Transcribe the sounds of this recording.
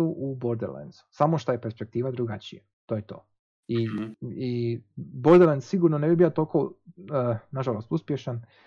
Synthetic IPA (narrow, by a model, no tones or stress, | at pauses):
uʔuboɾd̪eɾlḛnd̪zu̥samoʃt̪ajepeɾspe̞k̚t̪iːʋad̪ɾuɡat͡ɕija | t̪ojet̪o̞̰ː | iiboɾd̪elend̪siɡuɾnonebibijot̪olko | naʒalˠo̞st̪uspjeʃan